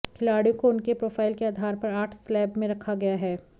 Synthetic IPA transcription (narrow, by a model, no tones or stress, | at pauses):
kʰɪlaːɽijõkoʊnkepɾoːfaːɪlkeaːd̪ʱaːɾpɐɾaːʈʰslɛːbmẽɾɐkʰaɡɐjaɦɛː